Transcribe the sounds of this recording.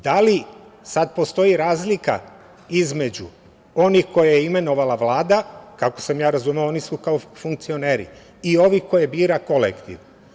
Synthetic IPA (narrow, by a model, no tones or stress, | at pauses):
d̪alisad̪̚po̞st̪o̞iɾaːzlika̰ | izme̞d͡ʑu | o̞nixko̞jajeime̞no̞ʋalaʋlaːd̪akako̞samjaːɾazumeoonisukaofuŋk̚t̪sio̞ne̞ːɾḭ | io̞ʋihko̞jebiːɾako̞lḛkt̪ḭʋ